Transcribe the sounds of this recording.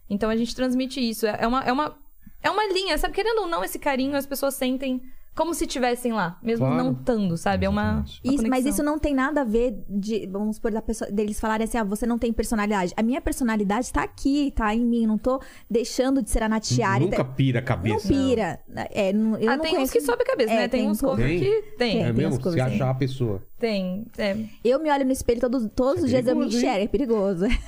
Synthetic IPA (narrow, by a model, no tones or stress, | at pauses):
ẽnt̪ɐ̃w̃ɐʒẽnt͡ʃɪ̥t̪ɾɐ̃zmit͡ʃɪisʊɛʔɛũmɐʔɛũmɐ | ɛũmɐlĩɲɐsabɪkeɾẽnd̪ownɐ̃w̃esɪkaɾĩɲʊɐspesoɐsːẽnt̪ẽj̃kõmʊsɪst͡ʃivɛsẽj̃lamezmʊnɐ̃w̃t̪ɐ̃nd̪ʊsabɪɛũmɐismɐzis̬ʊnɐ̃w̃t̪ẽj̃nad̪ɐaveɾd͡ʒɪvɐ̃mʊspoɾd̪ɐpesod̪elɪsfalˠaɾẽasĩɔvosenɐ̃w̃t̪ẽj̃peɾsonalid̪ad͡ʒɪʔɐmĩɲɐpeɾsonalid̪ad͡ʒɪt̪aːkʰit̪aẽj̃mĩnɐ̃w̃t̪o | d̪ejʃɐ̃nd̪ʊd͡ʒɪseɾanat͡ʃianũkɐpiɾɐkabneɐ̃wspiɾɐ | ɛ̰ʔɛnɐ̃w̃ewanɐ̃ẽkeskɪsɔbɪkabesɐɛnɛt̪ẽũskovẽj̃ɪt̪ẽj̃ɛɛm̃ez̃m̃koaʃaɐpesoɐ̰t̪ẽj̃ɛ̃ewmɪɔʎʊnʊispelʊt̪od̪ʊt̪od̪ʊzʊzd͡ʒiɐzewmɪĩʃʃɛɾɡɛpeɾiɡozʊɛ